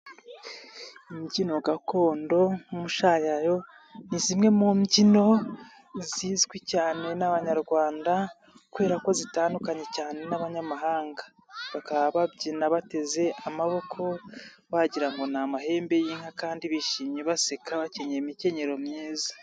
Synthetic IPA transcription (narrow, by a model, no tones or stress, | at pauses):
imɟino̞ɡako̞ːndo̞umuʃajajo̞ | nizimŋe̞mumɟino̞ | ziːzɡwicaːne̞naβaɲaɾɡwaːnda | kuβe̞ːɾako̞zitaːndukaɲe̞caːne̞naβaɲamaɦaːŋɡḁ | βakaβaβabɟinaβate̞ze̞ʔamaβo̞kʰo̞ | βaɟiɾaŋɡo̞namaɦe̞ːmbe̞jiːŋ̥hakaːndiβiʃiːmɲeβasekaβaceɲeimice̞ɲe̞ɾo̞mɲiːza